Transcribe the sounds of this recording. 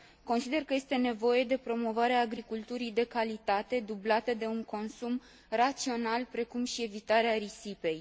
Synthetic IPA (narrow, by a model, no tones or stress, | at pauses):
ko̞nsid̪e̞rkəje̞st̪e̞ne̞vo̞je̞d̪e̞pɾo̞mo̞vaɾeaːɡɾikult̪uɾijd̪e̞kalit̪at̪e̞d̪ublat̪ed̪e̞uŋko̞nsum | rat̪sio̞nalpɾe̞kumʃie̞vit̪aɾeaɾisipe̞j